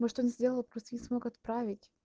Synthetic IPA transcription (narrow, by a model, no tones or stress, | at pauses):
moʂt̪onʲzʲdʲelˠəlˠpɾʲust̪əjʲnʲɪsmo̞kɐt̪pɾavʲɪtʲ